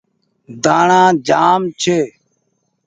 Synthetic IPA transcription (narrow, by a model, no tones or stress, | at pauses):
d̪aːɳãːd͡ʒaːmt͡ʃʰeː